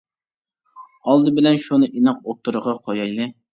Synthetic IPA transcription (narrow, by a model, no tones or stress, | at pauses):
ɑlˠd̪ɨbɪlɛnʃunɨʔinɨqop̚t̪ɨɾəʁɑqʰojɑjlɪ